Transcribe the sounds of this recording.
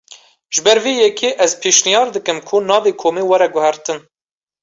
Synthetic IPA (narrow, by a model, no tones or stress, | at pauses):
ʒ̥ɨbɛɾveːjɛkʰeːʔɛzpʰeːʃnijɑːɾd̪ɨkɨmkʰʊnɑːveːkʰoːmeːwɛɾɛɡʊhæɾt̪ɨn